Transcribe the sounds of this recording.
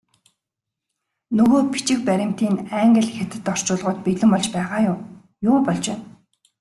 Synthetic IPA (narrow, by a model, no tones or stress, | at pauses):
nɵɣoːpi̥t͡ɕɪ̆k̚pæɾʲɪ̆m̥t̪iːnæŋɡə̆ɮxet̪ɘ̆t̪ɔr̥t͡ɕʊːɮʁʊ̆ːt̪̚peɮɘ̆mpɔɮt͡ɕpæːʁaːjʊm | jʊːpɔɮt͡ɕpæːn